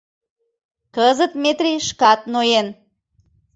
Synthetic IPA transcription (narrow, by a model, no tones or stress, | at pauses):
kəzət̪met̪ɾʲiʃkɑt̪̚nojen